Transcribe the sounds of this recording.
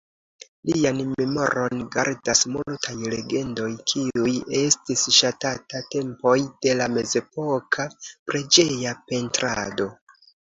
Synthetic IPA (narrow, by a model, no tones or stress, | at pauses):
lianme̞mo̞̰ɾʔo̞nɡa̰ɾdasmultʰajle̞ɡe̞ndo̞jkʰiuje̞stisʃatatate̞mpo̞jd̥e̞lame̞ze̞po̞kʰapɾe̞d͡ʒe̞jape̞ntɾado̞